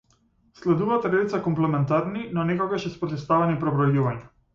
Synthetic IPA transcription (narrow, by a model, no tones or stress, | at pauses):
slɛd̪uvat̪ɾɛd̪it̪sakɔmplɛmɛnt̪aɾninɔnɛkɔɡaʃɛspɾɔt̪ɛst̪avɛnipɾɔbɾɔjuvaɲa